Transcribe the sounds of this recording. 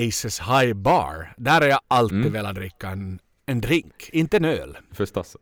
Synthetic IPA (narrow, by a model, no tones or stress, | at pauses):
isəshaɪbɑ̰ːɹd̪æːɾæɾjɑʔalt̪id̪ʋɛːlat̪̚d̪ɾɪkːaɛn | ɛnd̪ɾɪŋkɪnt̪ːəɛnø̰ːlfœst̪as